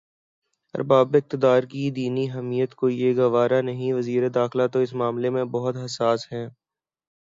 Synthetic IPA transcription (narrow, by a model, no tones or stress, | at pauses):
ɐ̰ɾbaːbɪk̚t̪ɪd̪aːɾkid̪iːniɦɛmiːjət̪koːijeɡɐʋaːɾanɐɦĩʋɐziːɾed̪aːxɪlat̪oɪsmaːmlemẽbɐɦʊt̪ɦɐsaːsɦɛ̃ː